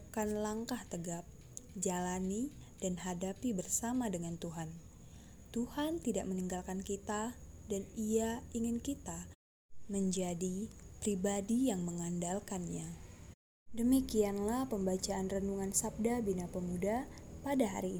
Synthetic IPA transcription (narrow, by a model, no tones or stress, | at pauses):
kanlaŋkaht̪əɡap̚ | d͡ʒalani | d̥anɦadapibərsamadəŋant̪uɦan | t̪uhant̪idaʔ̚məniŋɡalkankit̪adaniaiŋɪnkit̪a | məɲd͡ʒadipɾibadijaŋməŋandalkanɲa | dəmikianlahpəmbat͡ʃaʔːnrənduŋansap̚dabinapəmudapadaɦa̰ɾiː